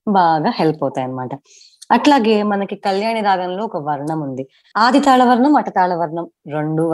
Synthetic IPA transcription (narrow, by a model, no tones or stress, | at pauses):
baːɡaːhelpɔːt̪aːjɐnɐmaːʈɐ | ɐʈlaːɡe̞ːmɐnɐkikɐljaːɳid̪aːɡɐnlo̞ːkɐʋɐɾɳɐmund̪i | aːd̪ʱit̪aːɭɐʋɐɾɳɐmɐʈɐt̪aːɭɐʋɐɾɳɐmɾeɳɖuʋ